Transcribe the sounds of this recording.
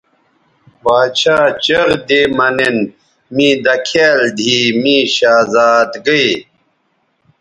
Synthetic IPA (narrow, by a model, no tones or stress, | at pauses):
baːt͡ɕʰaːt͡ɕɐɣd̪eːmɐnen | mĩːd̪ɐkʰeːld̪ʱiːmĩːɕaːzaːt̪ɡəi